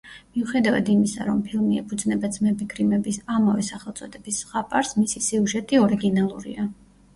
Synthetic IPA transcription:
miuχɛd̪ava̰d̪imisa̰ɾɔmpʰilˠmiɛpʰud̪znɛbat̪sʰmɛbiɡɾimɛbisamavɛsaχɛlˠt̪sʼɔd̪ɛbisʁapʼaɾsmisisiuʒɛt̪ʼiɔɾiɡinalˠuɾḭa

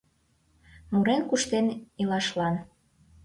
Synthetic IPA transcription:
muɾenkuʃt̪enilɑʃlɑn

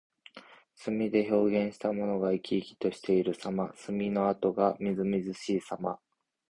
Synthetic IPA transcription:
sɨmʲid̪e̞ço̞ːɡẽ̞ɰ̃ɕi̥t̪amo̞no̞ɡaikʲiːkʲi̥t̪o̞ɕi̥t̪e̞iɾɯ̟samasɨmʲino̞at̪o̞ɡamʲizɨmʲizɨɕiːsama

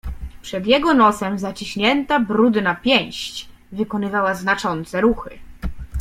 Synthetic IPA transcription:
pʂɛd̪jɛɡɔnɔsɛmzat͡ɕiɕɲɛnt̪abɾud̪napʲjɛ̃j̃ɕt͡ɕ | vɘkɔnɘvawaznat͡ʂɔnt̪sɛɾuxɘ̰

